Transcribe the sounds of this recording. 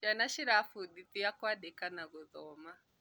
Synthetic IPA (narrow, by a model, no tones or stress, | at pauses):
d͡ʒanaʃiɾafuɗit̪iakwaɗɛkanaɣɔðɔma